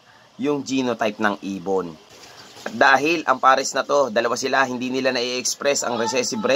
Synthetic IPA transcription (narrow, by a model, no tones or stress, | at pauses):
jʊŋd͡ʒiːnot̪ajp̚nɐŋʔiːbonʔɐt̪̚d̪aːɦɪlʔɐ̰ŋpaːɾɛsnɐt̪o̞d̪ɐlɐwasɪlaɦɪnd̪iːnɪlanɐʔiʔɛkspɾɛsɐ̰ŋɾɛsɛːsɪbɾɛ